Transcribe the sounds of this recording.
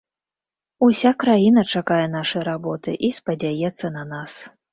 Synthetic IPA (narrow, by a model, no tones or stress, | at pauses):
usʲakɾajin̪ɐt͡ʂakajɛnaʂɐjɾabɔt̪ɨʔispɐd͡zʲajɛt̪sːɐnɐnas